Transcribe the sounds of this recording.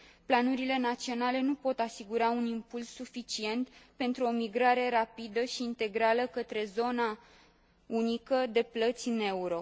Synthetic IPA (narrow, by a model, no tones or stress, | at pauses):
planuɾile̞nat̪sio̞nale̞nupo̞t̪asiɡuɾaunimpulsːufit͡ʃie̞nt̪pe̞nt̪ɾuo̞miɡɾaɾe̞ɾapid̪əʃiːnt̪e̞ɡɾaləkət̪ɾe̞zo̞na | unikəd̪e̞plət̪sʲɨne̞uɾo̞